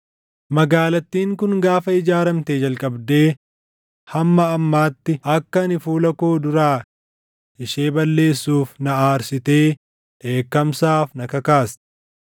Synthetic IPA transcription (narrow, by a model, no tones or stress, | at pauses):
mɐɡaːlɐt̪ːiːŋkʊŋɡaːfɐɪd͡ʒaːɾɐmt̪eːd͡ʒɐlkʼɐbd̪e̞ː | hɐmːɐːmːaːt̪ːɪɐkːɐnɪfuːlɐkoːd̪ʊɾaː | ɪʃeːbɐlːe̞ːsːuːfnɐaːɾsɪt̪e̞ː | ʔeːkːɐmsaːfnɐkɐkaːs